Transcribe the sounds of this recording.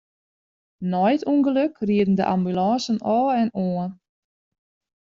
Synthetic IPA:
nɔjətʰuŋɡəløkriədən̩dəʔa̰mbylɔːsənɔlɛnoːən

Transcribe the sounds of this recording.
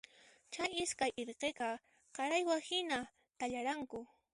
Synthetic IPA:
t͡ʃajɪskajʔeɾqeqɑ | qɑɾajwahɪna | t̪aʎaɾaŋkʊ

